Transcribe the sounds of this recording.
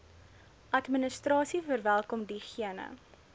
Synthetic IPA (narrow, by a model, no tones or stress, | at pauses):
ʔɐtminəstrɑːsifərvælˠkɔmdiχiənə̰